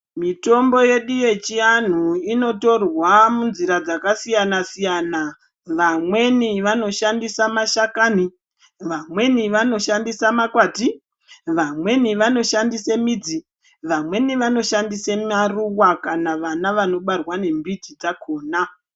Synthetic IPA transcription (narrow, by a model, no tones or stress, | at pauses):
mito̞mbo̞je̞ɗuje̞t͡ʃian̤uino̞to̞rwamunziɾad͡zakasijanasijana | ʋamwe̞niʋano̞ʃandisamaʃakaːni | ʋamwe̞niʋano̞ʃandisamakwaːti | ʋamwe̞niʋano̞ʃandisemid͡zi | ʋamwe̞niʋano̞ʃandisemaruwakanaʋanaʋano̞ɓarwane̞mbitid͡zakʰoːna